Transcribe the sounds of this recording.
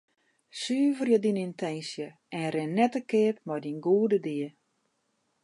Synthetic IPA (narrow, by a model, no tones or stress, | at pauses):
syːvərjədinintɛnsjə | ɛnɾɪnːɛtəkɪːpmɔjdinɡuədədiə